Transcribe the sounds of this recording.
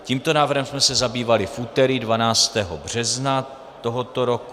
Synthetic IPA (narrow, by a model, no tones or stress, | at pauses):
ciːmt̪o̞naːvr̩ɦɛmsmɛsɛzabiːvalɪfʔuːt̪ɛɾiːdvanaːt͡st̪ɛːɦobr̝̥ɛzna | t̪o̞ɦot̪oɾok